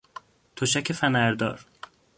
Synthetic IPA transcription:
t̪ʰoʃæcʰefænæɾd̪ɒ̰ːɾ

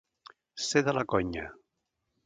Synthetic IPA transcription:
seðalakoɲa

